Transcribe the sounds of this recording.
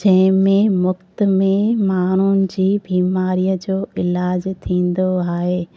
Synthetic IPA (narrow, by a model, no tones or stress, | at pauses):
d͡ʑɐ̃ɦɪ̃mẽmʊkt̪mẽmaːn̤ʊnɪ̆d͡ʑiːbʱiːmaːɾijəd͡ʑoːɪlaːd͡ʑt̪ʰĩːn̆d̪oaːɦeː